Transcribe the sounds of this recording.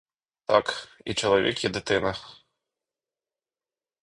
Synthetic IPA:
t̪akḭt͡ʂɐlˠavʲɛ̰kjɛd̪ɨt̪ɪnɐ

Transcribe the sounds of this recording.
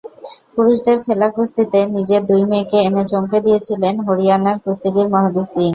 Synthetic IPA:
puɾuʃd̪eɾkʰelakust̪it̪enid͡ʑed̪ujmekeenet͡ɕomked̪ijet͡ɕʰilenɦoɾianaɾkust̪iɡiɾmaɦab̪isiŋ

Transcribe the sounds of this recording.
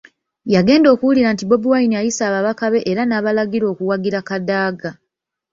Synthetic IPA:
jaɡe̞ːndo̞ːkuwuliɾantibo̞buwainiajisaːβaβakaβe̞ʔeɾanaːβalaɡiɾo̞ːkuwaɡiɾakadaːɡa

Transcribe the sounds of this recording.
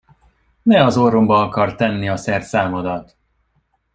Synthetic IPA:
nɛɒzorombɒɒkɒrt̪ɛnːiɒsɛrt̪saːmod̪ɒt̪

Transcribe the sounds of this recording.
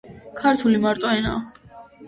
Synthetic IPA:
kʰaɾt̪ʰulimaɾt̪ʼɔɛna̰ː

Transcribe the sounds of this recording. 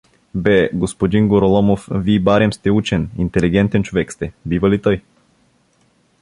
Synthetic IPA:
bɛɡospod̪iŋɡoɾolɔmofʋiːbaɾɛmst̪ɛut͡ʃɛnint̪ɛliɡɛnt̪ent͡ʃoʋɛkst̪ɛbiːʋɐlit̪əj

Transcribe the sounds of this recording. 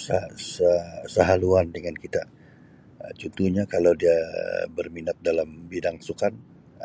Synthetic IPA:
sasəsəɦaluandəŋankit̪a | t͡ʃɔnt̪uhɲakalawdiabərminat̪̚dalambidaŋsukan

